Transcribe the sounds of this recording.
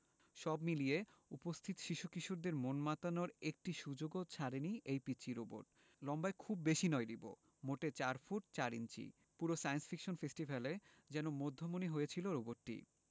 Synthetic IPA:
ʃɔbmilijeupost̪ʰit̪o̥ʃiʃukiʃuɾd̪eɾmonmat̪anoɾek̚ʈiʃud͡ʑoɡot͡ɕʰaɾeniʔejpit͡ɕiɾobo̰ʈ | lɔmbaekʰubːeʃinɔeɖibo̰ | moʈet͡ɕaɾfuʈ̚t͡ɕaɾḭnt͡ɕḭ | puɾosajensfʰikʃonfesʈibʱale | d͡ʑɛnomod̪ʱːomoniɦoet͡ɕʰiloɾoboʈːḭ

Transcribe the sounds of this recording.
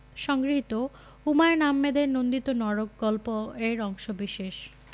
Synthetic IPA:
ʃɔŋɡɾiɦit̪o | umaenamːed̪eɾnond̪it̪onɔɾok̚ɡɔlpoeɾɔŋʃobiʃeʃ

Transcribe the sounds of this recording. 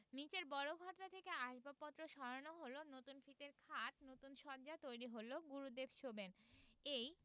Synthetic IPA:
nit͡ɕeɾbɔɾoɡʱɔʈt̪at̪ʰekeaʃbapɔt̪ːɾoʃɔɾonoɦolonot̪unfit̪eɾkʰaʈnot̪unʃɔɾd͡ʑat̪ojɾiɦoloɡuɾud̪ebʃobenej

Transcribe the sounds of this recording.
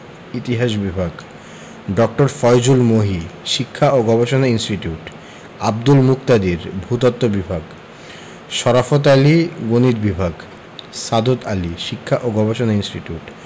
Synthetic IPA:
it̪iɦaʃbibʱaɡ | ɖɔk̚ʈoɾfɔjd͡ʑulmoɦiʃikʰːaʔoɡɔbeʃonainsʈiʈiuʈ | ab̚d̪ulmuk̚t̪ad̪iɾbʱut̪ɔt̪ːobibʱaɡ | ʃɔɾafot̪aliɡonit̪bibʱaɡ | sad̪ot̪aliʃikʰːaʔoɡɔbeʃonainsʈiʈiuʈ

